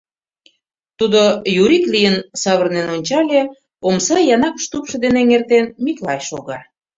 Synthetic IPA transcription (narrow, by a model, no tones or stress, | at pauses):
t̪ud̪ojuɾiklijənsɑβərnenonʲt͡ɕɑlʲe | omsɑjɑnɑkʃt̪upʃɤ̆d̪eneŋert̪enmiklɑjʃoɣɑ